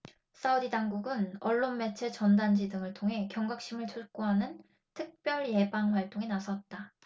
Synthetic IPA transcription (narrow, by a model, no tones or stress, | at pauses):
s͈audidaŋɡuɡɯnʌɭːonme̞t͡ɕʰe̞t͡ɕʌndand͡ʑidɯŋɯɭtʰoŋɦe̞kjʌŋɡak̚ɕ͈imɯɭt͡ɕʰuɭk͈uɦanɯn | tʰɯk̚p͈jʌɭje̞baŋɸwaɭt͈oŋenasʰʌt̚t͈a